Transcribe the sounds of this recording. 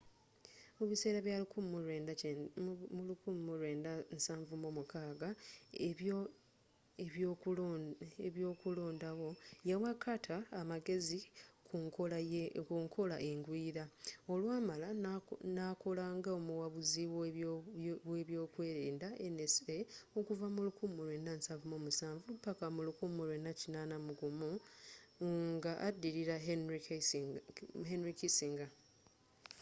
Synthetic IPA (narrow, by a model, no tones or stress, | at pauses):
oβise̞ːɾaβjalukummuɾeːnda | muukummuɾe̞ːndansaːɱvumomukaːɡa | e | eβjo̞ːkulo̞ːndawo̞jawakʰːatʰaːmaɡe̞zikʰuŋkokuŋkʰo̞laʔeŋɡwiːɾao̞lwaːmalanako̞laŋɡaomuwaβuziw | weβjo̞ːkwe̞ːɾeːndaʔeneseokuvamulukuːmuɾwe̞nːansavumo̞ːmusaːɱvupːakamulukumuɾwe̞nːacinaːnamuɡumu | ŋɡaʔadːiɾiɾa | henɾikisiŋɡa